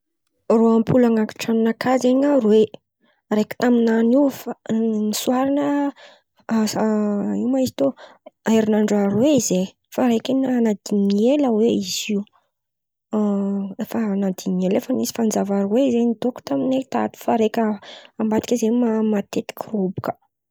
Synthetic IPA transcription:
roampʰulaŋaki̥ʈ͡ʂaminakʰazeɲarwe | rekə̥t̪aminanifanisuaɾanə | iwmaizi̥t̪oajɾinaɳɖ͡ʐaɾweize | faɾekinanad̪iɲieləweiziw | efənad̪iɲelefənisi̥fand͡zavaɾuweizenit̪oku̥t̪aminet̪a̰t̪u̥faɾekʲəambat̪i̥kʲizemamat̪et̪i̥kʲirobu̥kə̥

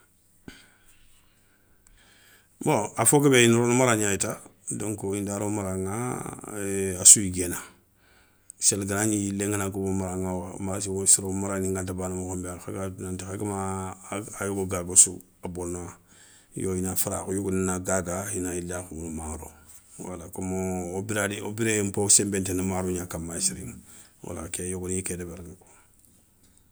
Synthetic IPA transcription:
boafokebeinɾonumaɾaɲajitadoŋkoindaːɾomaɾaŋa̰ | asuiɡena | selɡaɾaɲijleŋanakobomaɾaŋawamaɾas̬isiɾomaɾaniŋɡantabanamokombalxaɡanantixeɡamaː | joɡoɡaɡosu | abona | joinafaɾa̰kojoɡoninaɡaɡainailːakuunmaɾo̰ | wa̰lakomoobiɾadiobiɾemposembentenamaɾoɲakamasiɾḭŋwa̰la̰kejoɡonikedebaɾŋako

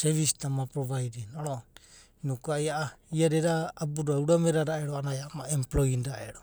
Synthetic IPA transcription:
seβisitamapɾoβajdinaɾo | inukuajaaiaɾeɾaːbuɾauɾameɾaɾaʔeɾoanajamaemploindaʔḛɾo

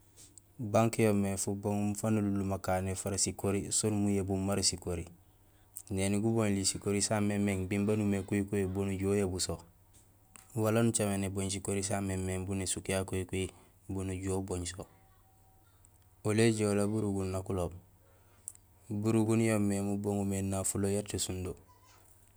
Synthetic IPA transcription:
baŋkijomːefuboŋumufanululːumakaːnefaɾasikoɾisonmujebumːaɾisikoɾi | neniɡuboɲlisikoɾisamemeŋbimbanumekujikoebonuɟuojebuso | walanut͡ʃameneboɲs̬ikoɾis̬amemːeŋbunesukjakojikui | bunuɟuoːboɲso | oleɟeolabuɾuɡunːakulob̚ | buɾuɡunjomːemuboŋumenːafulojaɾtesundo

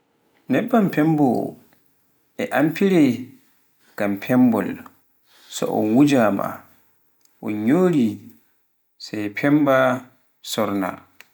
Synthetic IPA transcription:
nɛbːampʰɛmbɔ | ɛʔampiɾɛ | ɡ̥ampʰɛmbɔl | sɔ̰ʔɔ̰nwud͡ʒama̰ | ʔɔɲoːɾi | sajpʰɛmba | sɔɾna̰

